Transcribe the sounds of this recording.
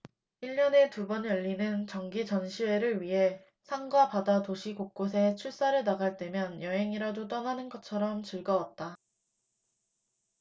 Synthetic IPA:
iʎːʌne̞tubʌnjʌʎːinɯnt͡ɕʌŋɡit͡ɕʌnɕʰiwe̞ɾɯɭɥiɦe̞ | sʰaŋɡwapadatoɕʰikok̚k͈os̬ʰe̞t͡ɕʰuɭs͈aɾɯɭnaɡaɭt͈e̞mjʌnjʌɦe̞ŋiɾadot͈ʌnanɯnɡʌt͡ɕʰʌɾʌmt͡ɕɯɭɡʌwat̚t͈a

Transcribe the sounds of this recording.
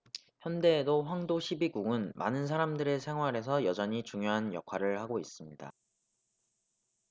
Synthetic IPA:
çjʌnde̞ːdoɸwaŋdoɕʰibiɡuɡɯnma̰nɯns̬ʰaɾamdɯɾe̞sʰe̞ŋɦwaɾe̞sʰʌjʌd͡ʑʌɲit͡ɕuŋjoɦanjʌ̰kʰaɾɯɭhaɡois͈ɯmɲida̰

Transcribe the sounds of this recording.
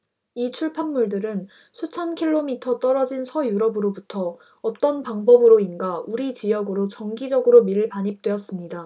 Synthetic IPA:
it͡ɕʰuɭpʰanmuɭdɯɾɯn | sʰut͡ɕʰʌnkʰiɭːomitʰʌt͈ʌɾʌd͡ʑinsʰʌjuɾʌbɯɾobutʰʌː | t͈ʌnpaŋbʌbɯɾoinɡauɾit͡ɕijʌɡɯɾot͡ɕʌŋɡid͡ʑʌɡɯɾomiɾɯɭpaɲip̚t͈we̞ʌs͈ɯmɲida

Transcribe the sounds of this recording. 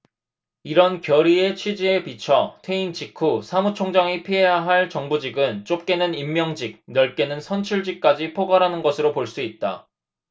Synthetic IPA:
iɾʌnkjʌɾie̞t͡ɕʰɥid͡ʑiepit͡ɕʰʌtʰe̞int͡ɕikʰusʰamut͡ɕʰoŋd͡ʑaŋipʰiɦe̞jaɦaɭt͡ɕʌŋbud͡ʑiɡɯnt͡ɕ͈op̚k͈e̞nɯnimːjʌŋd͡ʑik̚nʌɭk͈e̞nɯnsʰʌnt͡ɕʰuɭd͡ʑik̚k͈ad͡ʑipʰoɡaɾɦanɯnɡʌsʰɯɾopoɭs͈uit̚t͈a̰

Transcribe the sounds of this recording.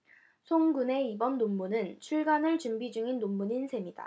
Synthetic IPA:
sʰoŋɡune̞ibʌnːomːunɯnt͡ɕʰuɭɡanɯɭt͡ɕumbid͡ʑuŋinːomːuɲinsʰe̞mida̰

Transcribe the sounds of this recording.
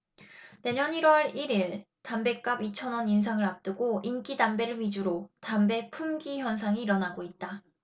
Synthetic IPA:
ne̞ɲʌniɾwʌɾiɾiɭ | tambe̞k͈abit͡ɕʰʌnwʌnins̬ʰaŋɯɾap̚t͈ɯɡoink͈idambe̞ɾɯɭɥid͡ʑuɾotambe̞pʰumɡiçjʌnsʰaŋiːɾʌnaɡoit̚t͈a

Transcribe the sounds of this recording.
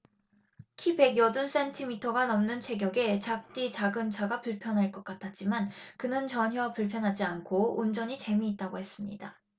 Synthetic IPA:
kʰipe̞ɡjʌduns͈e̞ntʰimitʰʌɡanʌmnɯnt͡ɕʰe̞ɡjʌɡe̞t͡ɕak̚t͈it͡ɕaɡɯnt͡ɕʰaɡapuɭpʰjʌnɦaɭk͈ʌk͈atʰat̚t͡ɕ͈imankɯnɯnt͡ɕʌɲɦjʌpuɭpʰjʌnɦad͡ʑiankʰound͡ʑʌɲit͡ɕe̞miːt̚t͈aɡohe̞s͈ɯmɲḭda

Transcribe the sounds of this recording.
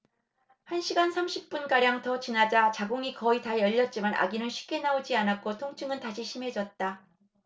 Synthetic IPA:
hanɕʰiɡansʰamɕʰip̚p͈unk͈aɾjaŋtʌt͡ɕinad͡ʑat͡ɕaɡoŋikʌitajʌʎːʌt̚t͡ɕ͈imana̰ɡinɯnɕʰɥi̥p̚k͈e̞naod͡ʑianak͈otʰoŋt͡ɕʰɯŋɯntaɕʰiɕʰime̞d͡ʑʌt̚t͈a

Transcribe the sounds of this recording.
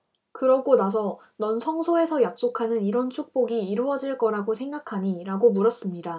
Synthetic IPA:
kɯɾʌɡonas̬ʰʌ | nʌnsʰʌŋsʰoe̞sʰʌjak̚s͈okʰanɯniɾʌnt͡ɕʰuk̚p͈oɡiːɾoʌd͡ʑiɭk͈ʌɾaɡosʰe̞ŋɡakʰaɲiɾaɡomuɾʌs͈ɯmɲida

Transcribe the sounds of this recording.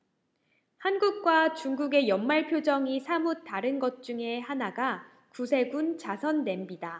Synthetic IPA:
hanɡuk̚k͈wat͡ɕuŋɡuɡe̞jʌnmaɭpʰjod͡ʑʌŋisʰamutaɾɯnɡʌt̚t͡ɕ͈uŋe̞hanaɡa | kusʰe̞ɡunt͡ɕasʰʌnːe̞mbida

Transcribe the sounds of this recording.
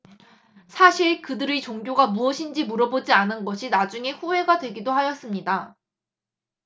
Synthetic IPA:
sʰaɕʰiɭkɯdɯɾit͡ɕoŋɡjoɡamuʌɕʰind͡ʑimuɾʌbod͡ʑianɯnɡʌɕʰinad͡ʑuŋe̞ɸuɦe̞ɡadwe̞ɡidohajʌs͈ɯmɲida

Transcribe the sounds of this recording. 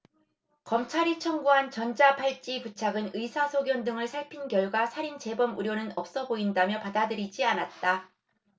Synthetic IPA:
kʌmt͡ɕʰaɾit͡ɕʰʌŋɡuɦant͡ɕʌnd͡ʑapʰaɭt͡ɕ͈iput͡ɕʰaɡɯnɯisʰasʰoɡjʌndɯŋɯɭsʰaɭpʰinkjʌɭɡwasʰaɾint͡ɕe̞bʌmuɾjonɯnʌp̚s͈ʌboindamjʌpadadɯɾid͡ʑianat̚t͈a

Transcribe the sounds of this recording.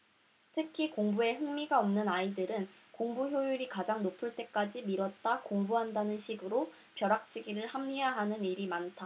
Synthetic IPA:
tʰɯkʰikoŋbue̞ɦɯŋmiɡaʌmnɯnaidɯɾɯnkoŋbuçjojuɾikad͡ʑaŋnopʰɯɭt͈e̞k͈ad͡ʑimiɾwʌt̚t͈akoŋbuɦandanɯnɕʰiɡɯɾo | pjʌɾak̚t͡ɕ͈ʰiɡiɾɯɭhamɲijaɦanɯniɾimantʰa

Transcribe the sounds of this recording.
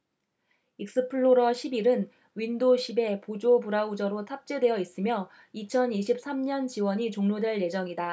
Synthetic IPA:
ik̚s͈ɯpʰɯɭːoɾʌɕʰibiɾɯn | ɥindoɕʰibe̞pod͡ʑobuɾaud͡ʑʌɾotʰap̚t͡ɕ͈e̞dwe̞jʌis͈ɯmjʌ | it͡ɕʰʌniɕʰip̚s͈ʰamɲʌnt͡ɕiwʌɲit͡ɕoŋɲodwe̞ɭje̞d͡ʑʌŋida

